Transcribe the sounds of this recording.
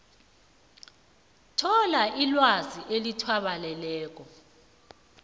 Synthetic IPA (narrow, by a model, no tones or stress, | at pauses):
tʰɔlaʔilwaziʔelitʰwaɓalɛlɛːk̬ɔ